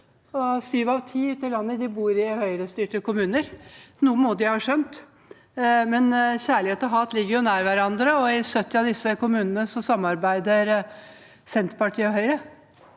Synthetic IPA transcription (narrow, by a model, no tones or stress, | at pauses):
ɔsyːʋɑʋt̪ʰiːʉt̪ɪlɑnːəd̪ɪbuːɾɪhœʏɾəst̪yːʈəkʊmʉːnəɾnuːəmoːd̪ɪhɑːʂœnt̪ | mɛnçæːɭɪheːt̪ɔɦɑːt̪lɪɡːəɾjʊnæːɾʋæɾɑnd̪ɾəɔɪsœt̪ːɪɑʋd̪ɪsːəkʊmʉːnənəsɔsɑmːɑɾbæɪd̪əɾ | sɛnt̪ɾpɑʈʰiːɔɦœʏɾə